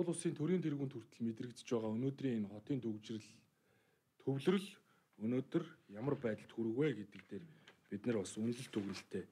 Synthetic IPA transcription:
ʊ̆ɮʊsiːnt̪ʰɵɾiːnt̪ʰerɣuːnt̪ʰɵr̥t̪ɘ̆ɮmet̪rɘ̆kt͡s̆t͡ɕpæːʁaːɵnoːt̪riːŋenχɔt̪iːnt̪ʰɵkt͡ɕr̆ɮ | t̪ʰɵwɮɵ̆rɵ̆ɮ | ɵnoːt̪ɵ̆rjamə̆rpæːt̪ə̆ɬt̪xuɾɘ̆ɣweːɡet̪ɘ̆k̚t̪eːrpit̪nɘ̆rpɔsɵnɮɵ̆ɬt̪ʰɵɣrɘ̆ɬt̪ʰeː

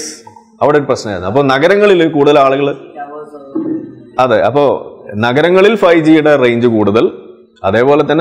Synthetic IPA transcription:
ɐʋiɽeoɾuprɐɕnɐmaːjɾunːuɐpːoːnɐɣɐɾɐŋːɐɭilokuːɽuðɐlaːɭuɣɐɭ | ɐðɨʔɐ̰pːo̞ːnɐɣɐɾɐŋːɐɭilfɐjd͡ʑijːuɽɐre̞jɲd͡ʑɨkuːɽuðɐl | ɐðe̞ːpo̞ːlet̪ːɐnː

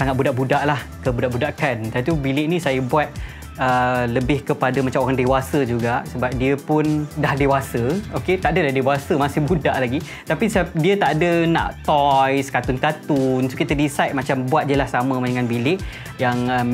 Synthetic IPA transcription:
saŋat̪̚budaʔbudaʔlah | kəbudaʔbudakant̪at̪ubilɪʔnĩsajəbuat̪̚ | ələbɪhkəpadəmat͡ʃamoɾaŋdewasəd͡ʒuɡaʔsəbap̚diəpʊndahdewasəoket̪aʔdədahdewasəmasɪhbudaʔlaɡi | t̪apisəap̚diət̪aʔdəna̰ʔt̪ɔjskat̪ʊnkat̪unsukit̪ədisajt̪̚mat͡ʃambuat̪̚diəlahsamə̃maɲəŋanbilɪʔ | jaŋə

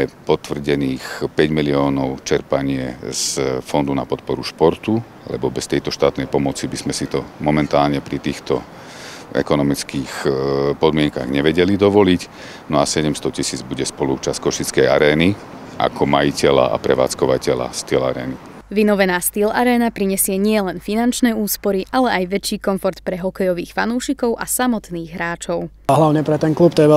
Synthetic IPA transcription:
ɛpɔt̪ʋr̩ɟɛniːxpɛɟmiliɔːnɔʊt͡ʃɛɾpaɲɪɛzfɔnd̪unapɔt̪pɔɾuʃpɔɾt̪u | alɛ̰bɔbɛst̪ɛjt̪ɔʃt̪aːt̪nɛjpɔmɔt͡sibizmɛsit̪ɔmɔmɛnt̪aːlɲɛpɾit̪iːxt̪ɔ | ɛ̰kɔnɔmit͡skiːxpɔd̪mɪɛŋka̰ɣɲɛʋɛɟɛlid̪ɔʋɔlic | nɔasɛɟɛmst̪ɔcisiːd͡zbuɟɛspɔlut͡ʃaskɔʃit͡skɛja̰ɾɛːni | ʔa̰kʰɔmajicɛla̰ʔa̰pɾɛ̰ʋa̰ːt͡skɔʋacɛla̰st̪ila̰ɾɛ̰ːni | ʋinɔʋɛnaːst̪ilaɾɛːnapɾiɲɛsɪɛɲɪɛlɛnfinant͡ʃnɛːuːspɔɾiʔalɛʔajʋɛt͡ʃːiːkɔnfɔɾt̪pɾɛɦɔkɛjɔʋiːxfanuːʃikɔʊʔasamɔt̪niːɣɦɾaːt͡ʃɔʊ | ɦlaʊɲɛpɾɛt̪ɛnklupt̪ɔjɛɛ

